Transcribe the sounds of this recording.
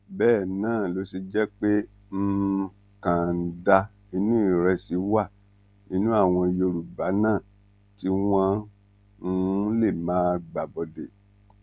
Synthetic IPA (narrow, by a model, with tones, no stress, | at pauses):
bɛː˦˨nãː˦˨lo˨˧˦si˧d͡ʒɛ˦k͡pe˦ | m̩˦ | kã˨˦da˧ | i˧nũ˦i˦˨ɾɛ˧si˨˦wa˦˨ | i˧nũ˦a˦˨w̃ɔ̃˧jo˧ɾu˨ba˨˦nãː˦˨ | ti˦w̃ã˦˧˦ | le˦˨mãː˨˦ɡ͡ba˨bɔ˧de˨